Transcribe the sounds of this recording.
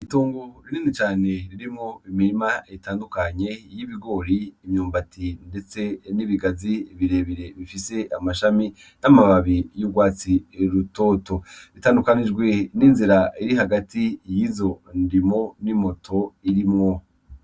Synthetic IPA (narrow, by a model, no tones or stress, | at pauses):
ituːŋɡuɾiniːnit͡ʃaːne̞ɾiɾimŋoimiɾimaitaːndukaɲe̞jiβiɡo̞ɾiːmɲuːmbatʰinde̞t͡se̞niβiɡaziβiɾe̞βiɾe̞βifise̞ʔamaʃami | namaβaβijubɡwaːt͡siɾuto̞ːto̞βitaːndukanid͡ʒɡwe̞niːnziɾaiɾiɦaɡatijiːzo̞ndimo̞nimo̞tʰo̞iɾimŋo